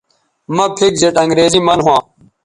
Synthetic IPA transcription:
mɐ̃pʰik̚zɐʈɐŋɡɾeːziːmɐnɦwãː

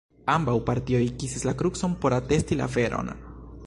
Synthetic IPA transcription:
ambawpaɾtiojkisislakɾukso̞npo̞ɾate̞stila̰fe̞ɾʔo̞̰n

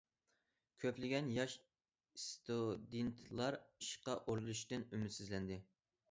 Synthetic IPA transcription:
kʲʰøplɪɡʲɛnjɑʃ | st̪ud̪ent̪ʰlˠɑɾiʃqɑʔoɾlˠuʃt̪ɨnymɪt̪syzlɛnd̪ɪ

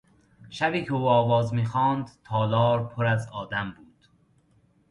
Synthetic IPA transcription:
ʃæbiːcʰeuːɒːvɒːzmiːxɒːnd̪t̪ʰɒːlɒːɾpʰoɾæzɒːd̪æmbuːd̪̥

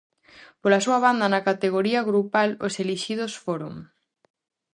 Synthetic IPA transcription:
polasuɐβ̞and̪ɐnɐkat̪eɣ̞oɾiɐɣɾupaloseliʃið̞osfoɾoŋ

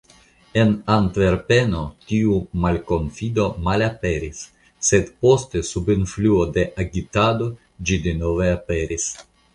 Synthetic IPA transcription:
e̞nantve̞ɾpe̞no̞tiumalko̞nfido̞malape̞ɾisː | e̞dpo̞ste̞subinfluo̞de̞ʔaɡitado̞ | d͡ʒide̞no̞ve̞ape̞ɾis

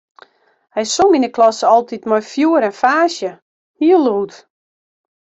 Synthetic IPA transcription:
hɛjsominəklɔsɔlˠtitmɔjfjuəɾɛnfaːsjə | hiəlˠuːt

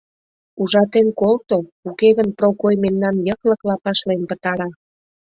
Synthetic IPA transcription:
uʒɑt̪enkolt̪oukeɣənpɾokojmemnɑnjəkləklɑpɑʃlenpə̆t̪ɑɾɑ

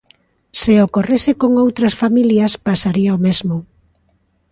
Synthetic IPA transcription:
seokoresɪkoŋowt̪ɾɐsfamiljɐspasaɾiaomezmʊ

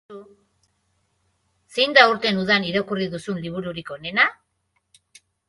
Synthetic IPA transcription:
sejnd̪auɾt̪e̞nuð̞aniɾokuriðusunliβ̞uɾuɾiko̞ne̞na

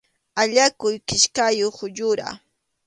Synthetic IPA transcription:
aʎakʊjkɪʃkajoχʊʎʊɾa̰

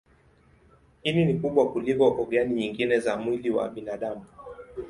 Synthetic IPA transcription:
hininikuɓwakulikɔʔɔɡaniɲiŋɡinɛzamwiliwa̰ɓinaɗamu

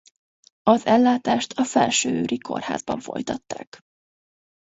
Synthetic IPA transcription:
ɒzɛlːaːt̪aːʃt̪ʰɒfɛlʃøːøːɾʔikʰo̞̰rha̰ːzbɒɱfo̞̰jt̪ɒt̪ːaːk

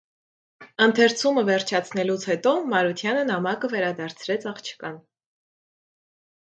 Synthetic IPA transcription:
ənt̪ʰɛɾt͡sʰuməvɛɾt͡ʃʰɑt͡sʰnɛlut͡sʰhɛt̪ɔmɑɾut̪ʰjɑnənɑmɑkəvɛɾɑd̪ɑɾt͡sʰɾɛt͡sʰɑχt͡ʃʰə̥kɑn

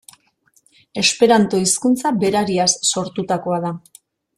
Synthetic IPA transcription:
e̞spe̞ɾant̪o̞iskunt͡sabe̞ɾaɾiasːo̞ɾt̪ut̪ako̞að̞a

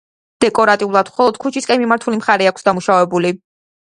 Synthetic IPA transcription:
d̪̥ɛkʼɔɾat̪ʼiulˠad̪̥mχɔlˠɔd̪̥kʰut͡ʃʰiskʼɛnmimaɾt̪ʰulimχaɾɛakʰsd̪amuʃavɛbuli

